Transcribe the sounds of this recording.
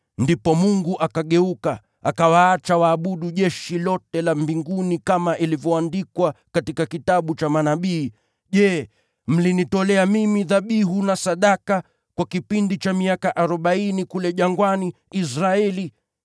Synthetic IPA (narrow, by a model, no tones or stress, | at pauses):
ndipɔmuŋɡuʔakaɠɛuka | akawaːt͡ʃawaːɓuɗuʄɛʃilɔtɛlambiŋɡunikamaʔilivjɔandikwakatikakitaɓut͡ʃamanaɓiː | ʄɛ | m̩linitɔlɛamimiðaɓiɦunasaɗaka | kwakipindit͡ʃamiakaʔaɾɔɓainikulɛʄaŋɡwaniisɾaɛli